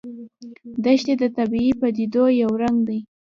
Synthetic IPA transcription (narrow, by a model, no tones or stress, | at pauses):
d̪aʃt̪ed̪ət̪abiipəd̪id̪ojawɾaŋɡd̪aj